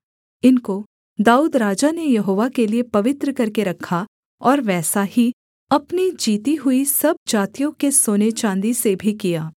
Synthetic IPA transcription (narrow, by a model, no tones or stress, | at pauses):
ɪnko | d̪aːuːd̪ɾaːd͡ʒanejɐɦoːʋakeliepɐʋɪt̪ɾəkɐɾkeɾɐkʰːa | ɔːɾʋɛːsahi | ɐpnid͡ʒiːt̪iɦʊisɐb̚d͡ʒaːt̪ijõkesoːnet͡ʃãːnd̪isebʱikijaː